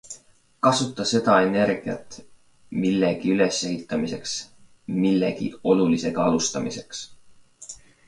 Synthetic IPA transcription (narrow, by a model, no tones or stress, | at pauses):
kɑsut̪ːˑɑse̞d̪̥ɑe̞ne̞ɾɡ̥iɑ̰t̪ːˑ | milːe̞ɡ̥iyle̞se̞hit̪ˑːɑmise̞ks | milːe̞ɡ̥ḭo̞lulise̞ɡ̥ɑɑlust̪ɑmise̞ks